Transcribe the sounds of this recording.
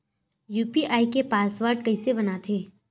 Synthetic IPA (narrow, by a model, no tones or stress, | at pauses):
juːpiʔaːikepaːsʋəːɾɖkɐisebɐnat̪ʰeː